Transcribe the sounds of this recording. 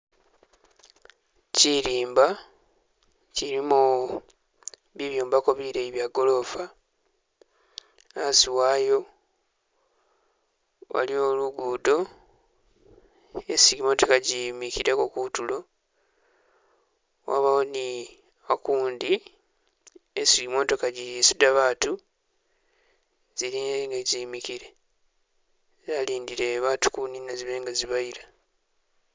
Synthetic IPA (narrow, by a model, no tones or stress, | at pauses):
ciɾiːmba | ciɾimu | βiβjoːmbako̞βiɾeiβjaɡo̞lo̞fa | asiwaːjo̞ | wa̰lio̞luɡudo̞ | esiɡimotekaɟimikiɾekokutulo̞ | wa̰βawoni | akuːndi | esiɡimo̞to̞kaɟijisidaβaːtu | ziɾiŋɡeɟiːmikiɾe̞ | zaliːndiɾe̞βaːtu̥kuninaziβe̞ːŋɡaziβaiɾa